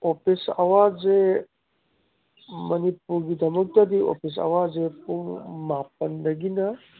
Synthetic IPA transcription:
opʰisa̰waze | mɐnipuɾɡidɐmɐk̚tɐdio̰pʰis̬a̰wazepuŋmap̚ɐnːɐɡinɐ

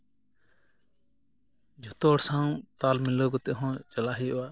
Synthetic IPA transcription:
d͡ʒʱɔt̪ɔɽsãw̃t̪almilɔɡɔt̪ɛʔɦɔ̃t͡ʃalaɦiʔɔwa

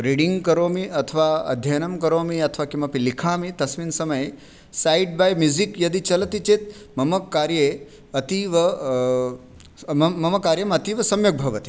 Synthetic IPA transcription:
ɾiɽiŋɡkɐɾoːmiɐt̪ʰɐʋaɐ̰d̪ʱjɐnɐmkɐɾoːmiɐt̪ʰʋaːkimɐpilikʰaːmit̪ɐsʋiːnsɐmɐj | sajɖ̚baːjmjuzikjɐd̪it͡ʃɐlɐt̪it͡ʃet̪ | mɐmɐkːaːɾje | ɐt̪iʋɐ | mmɐmɐkaːɾjɐmɐt̪iːʋɐsɐmjɐk̚bʱɐʋɐt̪i̥

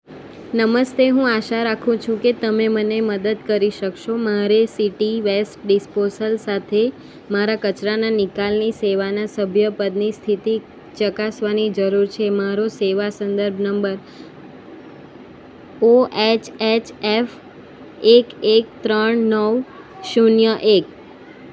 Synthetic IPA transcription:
nəməst̪eɦũaʃaɾakʰũt͡ʃʰũket̪əmeməneməd̪əd̪̚kəɾiʃəkʃomaɾesiʈiʋesʈ̚ɖisposəlsat̪ʰe | maɾakət͡ʃɾananikalniseʋanasəbʱjəpəd̪nist̪ʰit̪i | t͡ʃəkasʋanid͡ʒəɾuɾt͡ʃʰemaɾoseʋasənd̪əɾbʱnəmbəɾ | oʔet͡ʃʰet͡ʃʰef | ekek̚t̪ɾəɳnəʋ | ʃunjəʔek̚

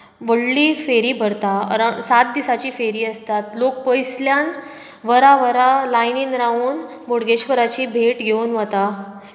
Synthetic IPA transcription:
ʋəɽliːfeɾiːbʱəɾt̪aə̰ɾasat̪̚d̪isat͡ɕiːfeɾiːəst̪at̪lok̚pəjsljan | ʋəɾaʋəɾalajniːnɾauːn | boɽɡeɕkəɾat͡ɕiːbʱeʈɡʱeunʋət̪a

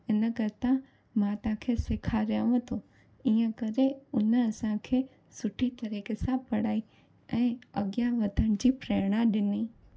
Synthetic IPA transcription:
ɪnəkɐɾt̪ã | mãt̪ɐãkʰeːsɪkʰaɾjəʋə̃t̪ʰo | iːə̃kɐɾeʊnəɐsãkʰeː | sʊʈʰit̪ɐɾiːkesãpɐɽ̤aːi | ɛ̃ːɐɠjaʋɐd̪ʱəɽ̃d͡ʑiːpɾeːɽ̃aɗɪniː

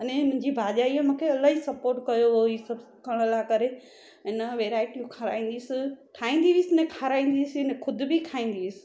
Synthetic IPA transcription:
ɐnẽmʊ̃ɦɪ̃ɲd͡ʑibaːʄaːiemũːkʰeɐlaːɦisɐpoːɾʈkɐjoɦoiːsɐb | kʰɐɽ̃lakɐɾe | ɪnəʋeːɾaːɪʈimũkʰaɾa̰ːĩːnd̪isɪʈʰaːĩːnd̪iʋisɪnẽkʰaːɾaːĩːnd̪iisɪɪnexʰʊd̪̆bikʰaːĩːn̆d̪iʋɪsɪ̥̆

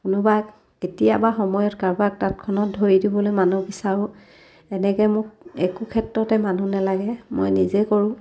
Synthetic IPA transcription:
kʊnʊbak | ketijabaxɔmɔjɔtkaɹbak̚tatkʰɔnɔt̚dʱoɹidibɔlojmanubisaʊ | ɛnɛkɛmʊkɛkukʰɛtɹɔtɛmanunɛlaɡɛmo̰jnizekɔɹʊ̃

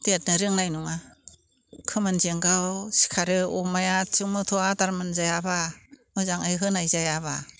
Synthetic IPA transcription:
tiat̚nɯɾɯŋnajnuŋa | kʰɯmɯnzeŋɡawsi̥kʰaɾɯɔmajat͡ʃɯŋmɯtʰɔataɾmɯnzajabamɯzaŋɯjɦɯnajzajaβa

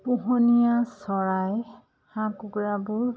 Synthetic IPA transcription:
puɦɔnijasɔɹaj | hãkuɡɹabʊɹ

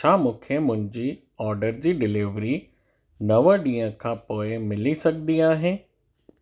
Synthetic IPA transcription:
ʃʰaːmʊ̃kʰəmʊ̃ɪ̃ɲd͡ʑiː | ɔːɾɖəɾd͡ʑiːɖɪlɪʋɾi | nəʋə̃ɖiːə̃kʰãːpoːemɪlisɐk̚d̪iːaːɦẽː

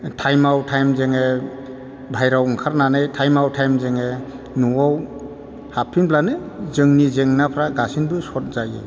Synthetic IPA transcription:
tʰajmawtʰajmzeŋe | bʱajɾawɔŋkʰaɾnanɯjtʰajmawtʰajmzeŋe | nuaw | hapʰːinplanɯ | zɯŋnizeŋnapʰɾaɡasinbɯsɔt̚zajɯ̰

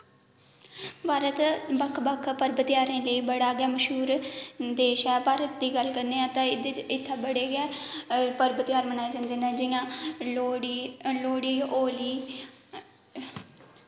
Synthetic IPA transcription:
paːɾət̪bəkʰbəkʰpəɾbət̪ɪjaːɾẽːləiːbəɽaːɡɪaːməʃɦuːɾd̪eːʃɛːpaːɾət̪̚d̪iːɡəlkəɾneːãːt̪ãːɪt̪ʰːãːbəɽeːɡɛːpəɾbət̪jaːɾmənaːed͡ʒãːnd̪eːnɛ̃ːd͡ʒɪjãːoːɽiloːɽiːoːliː

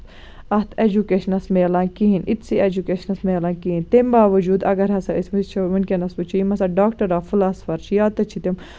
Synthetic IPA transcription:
ɐt̪ʰed͡ʒukeːʃɐnɐsmelaːnkiɦinit̪siʔed͡ʒukeːʃɐnɐsmelaːnkiɦĩnt̪embaːʋɐd͡ʒuːd̪ɐ̰ɡɐɾɦɐsɐismit͡ʃʰɐʋɐnkenɐsbɨt͡ʃʰiimɐsɐɖaːkʈɐɾaːfulaːsfɐɾʃjaːt̪ɐt͡ʃʰit̪em

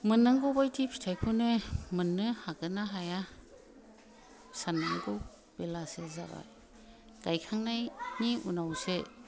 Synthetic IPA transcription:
mɯnːaŋɡɔwbajtʰipʰi̥tʰajkʰɯnɯmɯnːɯhaɡɯnaɦaja | sanaŋɡow | belaseza̰ba̰ | ɡ̥ajkʰaŋnajniṵnawse

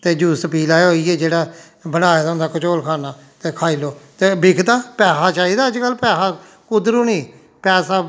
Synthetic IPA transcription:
t̪eːd͡ʒuːspiːlaːeɦoːiːɛːd͡ʒeːɽaː | bənaːeːd̪aʊ̃nd̪aːkət͡ʃoːlkʰaːnaː | t̪eːkʰaːiːloːt̪eːbɪkʰd̪aːpɛːsaːt͡ʃaːiːd̪aːəd͡ʒkəlpɛːsaː | kʊd̪ɾũːnĩː | pɛːsaː

